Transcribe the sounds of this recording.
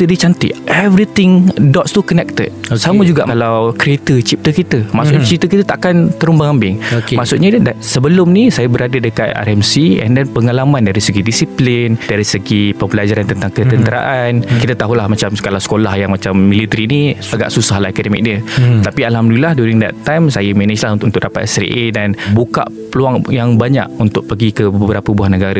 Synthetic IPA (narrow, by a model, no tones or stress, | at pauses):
t̪ədit͡ʃant̪ḭʔɛvɾit̪ɪŋdɔtst̪ukənɛk̚t̪ət̚saməd͡ʒuɡaʔalawkɾiet̪ət͡ʃip̚t̪əkit̪əmaʔsʊʔɲat͡ʃip̚t̪əkit̪ət̪aʔakant̪əɾumbaŋambɪŋomaʔsʊʔɲadasəbəlʊmnisajabəɾadədəkat̪a̰ɾɛmsiɛ̰ndɛnpəŋalamãndaɾisəɡidisiplindaɾisəɡipəmbəlad͡ʒaɾant̪ənt̪aŋkət̪ənt̪əɾa̰ʔankit̪at̪aɦulahmat͡ʃamsə̥kalahsə̥kolahjaŋmat͡ʃamːĩlit̪əɾiniaɡa̰ʔsusahlahekodəmḭk̚ɲət̪apialɦamdulilahduɾiŋda̰ʔt̪ajmsajəmɛnəd͡ʒlahunt̪ʔunt̪ʊk̚ʔdapat̪ɛsɾḭʔedanbuka̰ʔpəluaŋjaŋbaɲa̰ʔunt̪ʊk̚pəɡikəbəbəbəɾapəubuɦanəɡaɾa